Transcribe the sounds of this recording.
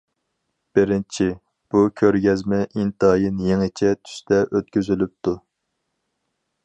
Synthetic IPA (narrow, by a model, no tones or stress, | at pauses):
b̥ɪɾɪnt͡ʃʰi | b̥ukʲʰøɾɡʲɛzmɛʔint̪ɑjinjeŋɪt͡ʃʰɛt̪ʰy̥st̪ʰɛʔøt̪̚kʲyzylyp̚t̪ʰu